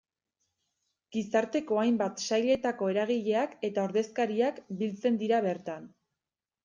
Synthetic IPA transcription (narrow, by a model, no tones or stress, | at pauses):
ɡ̥isaɾt̪e̞ko̞ajmbat̪sajle̞t̪ako̞e̞ɾaɣ̞iʎe̞ake̞t̪aoɾðe̞skaɾiakbilt͡se̞nd̪iɾaβe̞ɾt̪an